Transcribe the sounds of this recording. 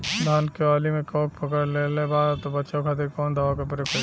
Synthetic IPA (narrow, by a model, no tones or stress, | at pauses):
d̪ʱaːnkeaːlimẽkɔːk̚pʰəkəɽlelebaːɾt̪obəːʃakʰaːt̪eɾkɔːnd̪ʱaʋakɐpəɾekʰə